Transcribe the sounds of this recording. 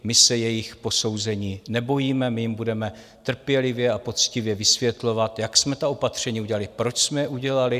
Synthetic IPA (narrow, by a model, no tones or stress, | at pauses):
mɪsɛjɛjɪxpo̞so̞wzɛɲiːnɛbo̞jiːmɛmɪjɪmbudɛmɛ | t̪r̩pjɛlɪvjɛapo̞t͡scɪvjɛvɪsvjɛt̪lo̞vat̪jaksmɛt̪ao̞pat̪r̝̥ɛɲiːuɟɛlalɪpɾo̞t͡ʃsmɛjɛʔuɟɛlalɪ